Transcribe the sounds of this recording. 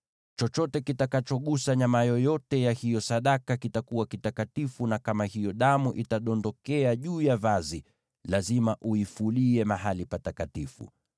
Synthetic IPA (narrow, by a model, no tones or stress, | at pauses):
t͡ʃɔt͡ʃɔtɛkitakat͡ʃɔɠusaɲamajɔjɔtɛjahijɔsaɗakakitakuwakitakatifunakamahijɔɗamuʔitaɗɔndɔkɛaʄuːjavazi | lazimaʔuifuliɛmaɦalipatakatifṵ